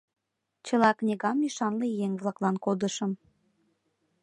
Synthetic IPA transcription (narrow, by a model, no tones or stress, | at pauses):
t͡ɕə̆lɑknʲeɣɑmiʃɑnlejeŋβlˠɑklɑnkod̪əʃəm